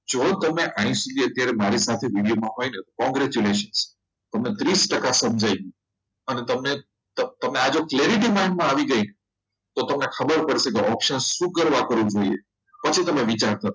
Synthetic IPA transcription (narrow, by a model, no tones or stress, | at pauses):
d͡ʒot̪əmeʔãĩsud̪ʱiət̪jaɾemaɾisat̪ʰeʋiʋjumãɦojnet̪okɔ̃ŋɡɾɛt͡ʃuleʃəns | t̪əmnet̪ɾisʈəkasəmd͡ʒʱajɡi | ənet̪əmne | t̪ət̪əmnead͡ʒokleɾiʈimaiɳmãaʋiɡəine | t̪ot̪əmnekʰəbəɾpəɽʃekeʔɔpʃənʃũkəɾʋakəɾʋũd͡ʒoiḛ | pət͡ʃʰit̪əmeʋit͡ʃaɾt̪ʰəɾo